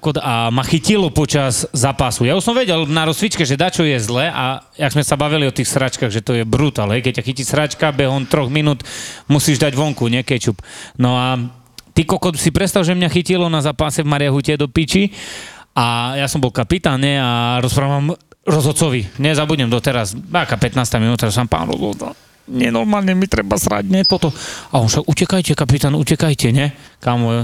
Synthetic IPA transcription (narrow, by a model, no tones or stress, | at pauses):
kɔd̪amaxicilɔpɔt͡ʃazzaːpasujausɔmʋɛɟɛlnaɾɔsʋit͡ʃkɛʒɛd̪at͡ʃɔjɛzlɛʔa | jaɡzmɛsabaʋiliɔt̪iːxsɾat͡ʃkaɣʒɛt̪ɔjɛbɾut̪aːlɦɛjkɛc̚cːaxiciʃsɾat͡ʃkabɛɦɔnt̪ɾɔɣminut̪musiʒd̪aɟʋɔŋkuɲɛkɛt͡ʃupnɔa | t̪ikɔkɔt̪sipɾɛtst̪alʒɛmɲaxicilɔnazaːpasɛvmaɾɪaɦucɛd̪ɔpit͡ʃi | ajasɔmbɔlkapit̪aːnɲɛaɾɔspɾaːʋamɾɔzɦɔt͡sɔʋiɲɛzabuɟɲɛmd̪ɔt̪ɛɾasbakapɛt̪naːst̪aminuːt̪aɔsampa̰ːnɾɔ̰zɔ̰zd̪a̰ | ɲɪɛnɔɾmaːlɲɛmit̪ɾɛbasɾa̰ɟɲɛpɔt̪ɔaɔnfʃaɡucɛkajcɛkapit̪aːnucɛkajcɛɲɛkamɔ